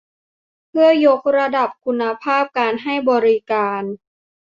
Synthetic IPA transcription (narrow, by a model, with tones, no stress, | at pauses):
pʰɯ˥˩ɐjo˦˥k̚ɾa˧da˨˩p̚kʰu˧nːa˧pʰaː˥˩p̚kaː˧nɦa˥˩jbɔː˧ɾi˦˥kaː˧n